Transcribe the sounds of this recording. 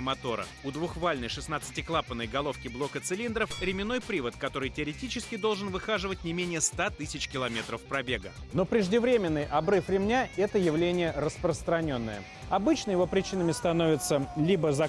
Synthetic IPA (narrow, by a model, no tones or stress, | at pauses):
mɐt̪o̞ɾə̰ | ʊd̪vʊxvalʲnəjʂɨsn̪at̪sɨ̥tʲɪklˠapənːəjɡɐlˠo̞fkʲɪblˠo̞kət̪sɨlʲind̪ɾəfɾʲɪmʲɪno̞jpɾʲivət̪kɐt̪o̞ɾɨjtʲɪɐɾʲɪtʲit͡ɕɪskʲɪd̪o̞lˠʐɨnvɨxaʐɨvətʲnʲɪmʲenʲɪjəst̪at̪ɨsʲɪt͡ɕkʲɪlˠɐmʲe̞t̪ɾəfpɾɐbʲe̞ɡəno̞pɾʲɪʐdʲɪvɾʲemʲɪnːɨjʔɐbɾɨfɾʲɪmnʲaɛt̪əjɪvlʲenʲɪjəɾəspɾəst̪ɾɐnʲo̞nːə̰jə̰ | ɐbɨt͡ɕnəjɪvo̞pɾʲɪt͡ɕinəmʲɪst̪ɐno̞vʲɪt̪səlʲibəzɐ